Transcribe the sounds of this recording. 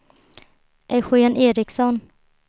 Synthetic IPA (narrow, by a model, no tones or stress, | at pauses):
ʔɛɧʏɛneːɾɪksɔn